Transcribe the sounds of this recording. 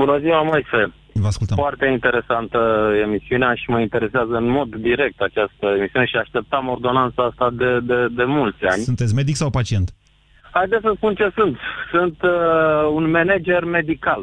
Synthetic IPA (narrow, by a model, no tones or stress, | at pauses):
bunəziwamojse | vəaskult̪əmfoart̪e̞int̪e̞ɾe̞sant̪əe̞misiuneaʃiməint̪e̞ɾe̞seazəɨnmo̞d̪ːiɾe̞k̚t̪at͡ʃast̪əemisiuneʃiaʃt̪e̞p̚t̪əmo̞rd̪o̞nant̪saast̪ad̪ed̪ed̪e̞mult̪sʲa̰nʲsunt̪et̪sʲme̞d̪iksawpat͡ʃie̞nt̪ | hajd̪esəspunt͡ʃe̞sunt̪sunt̪ | unmened͡ʒe̞rme̞d̪ikal